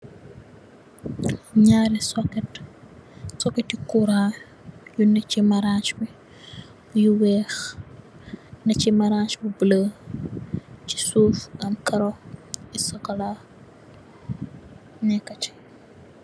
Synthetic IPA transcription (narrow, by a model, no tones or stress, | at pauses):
ɲaːɾisɔkɛt | sɔkɛtikuɾa | junɐcimɐɾat͡ʃbi | bjuwɛːx | nɐcimɐɾat͡ʃbubələ | ci̥suːfʔɐmkɐɾoisɔkɐla | nɛkːɐt͡ʃi̥